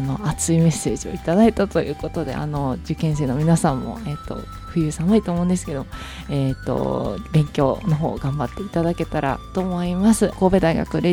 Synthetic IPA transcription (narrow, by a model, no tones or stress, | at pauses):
no̞at͡sɨime̞sːe̞ːʑio̞̰it̪ad̪ait̪at̪o̞jɯ̟ːko̞t̪o̞d̪e̞̰a̰no̞d͡ʑɨkẽ̞ɰ̃s̬e̞ːno̞mʲinasãmːo̞̰eːt̪ːo̞̰ | ɸɯ̟jɯ̟ːsamɯ̟it̪o̞ːmoɯ̃nd̪e̞sɨ̥ke̞d̪o̞mo | eːt̪ːo̰bẽ̞ŋkʲo̞ːno̞ɦo̞ːɡãmbat̪ːe̞it̪ad̪ake̞t̪aɾa̰t̪o̞mo̞imasɨko̞ːbe̞d̪aiɡa̰kɯ̟ɾe